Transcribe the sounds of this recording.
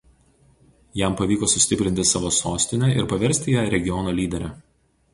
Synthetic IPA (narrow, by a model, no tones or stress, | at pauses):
jɛˑmpɐʋʲiːkoːsʊsʲt̪ʲɪpʲɾʲɪnʲt̪ʲɪsɑːʋoːsoːsʲt̪ʲɪnʲɛˑʔɪɾpɐʋʲɛɾʲsʲt̪ʲɪjɛːɾʲɛɡʲɪjɔnoːlʲiːd̪ʲɛɾʲɛ